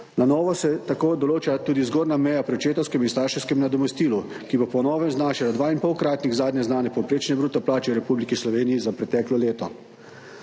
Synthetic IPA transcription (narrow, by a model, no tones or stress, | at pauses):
nanɔːʋɔsɛt̪akoːd̪ɔloːt͡ʃat̪uːd̪izɡoːɾnamɛjapɾɛwt͡ʃeːt̪ɔwskɛminst̪aːɾʃɛwskɛmnad̪ɔmɛst̪iːlu | kibopɔnɔːʋɛmznaːʃɛlad̪ʋaːinpɔwkɾaːt̪niɣzaːd̪njɛznaːnɛpɔwpɾeːt͡ʃnɛbɾuːt̪ɛplaːt͡ʃɛwɾɛpublikislɔʋeːnijizapɾɛt̪ɛːklɔleːt̪ɔ